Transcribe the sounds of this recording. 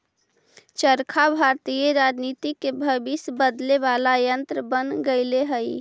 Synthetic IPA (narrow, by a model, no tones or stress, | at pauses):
t͡ʃəɾkʰabʱaɾt̪ijeɾad͡ʒnit̪ikːebʱəbisbəd̪leβalajənt̪ɾəbənɡəɪleɦəj